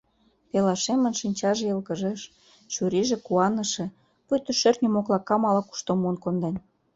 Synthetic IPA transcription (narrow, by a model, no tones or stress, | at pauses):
pelɑʃemə̆nʃinʲt͡ɕɑʒĕɤlɣə̆ʒeʃ | t͡ɕuɾiʒĕkuɑnə̆ʃĕ | pyt̪ə̆ʃørnʲomoklɑkːɑmɑlɑku̥ʃt̪omuənkond̪en